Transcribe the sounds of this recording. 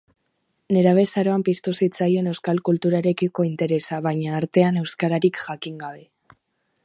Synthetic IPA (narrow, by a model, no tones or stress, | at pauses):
ne̞ɾaβ̞e̞saɾo̞ampist̪usit͡saje̞ne̞wskalkult̪uɾaɾe̞kiko̞int̪e̞ɾe̞saβaɲaːɾt̪e̞ane̞wskaɾaɾikʝakiŋɡaβe̞